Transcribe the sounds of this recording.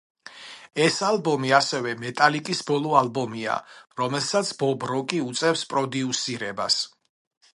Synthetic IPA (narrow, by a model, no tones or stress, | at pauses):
ɛsalˠbɔmiasɛvɛmɛt̪ʼalikʼisbɔlˠɔalˠbɔmia̰ɾɔmɛlˠsat̪sʰbɔbɾɔkʼiut̪sʼɛfspʼɾɔd̪iusiɾɛba̰s